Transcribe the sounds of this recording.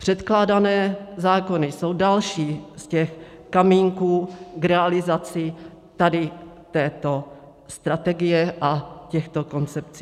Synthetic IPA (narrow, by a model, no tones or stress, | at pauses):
pr̝̥ɛt̪klaːdanɛːzaːko̞nɪso̞wdalʃiːscɛxkamiːŋkuːkɾɛalɪzat͡sɪ | t̪adɪ | t̪ɛːt̪o̞ | st̪ɾat̪ɛɡɪjɛʔacɛxt̪o̞ko̞nt͡sɛp̚t͡siː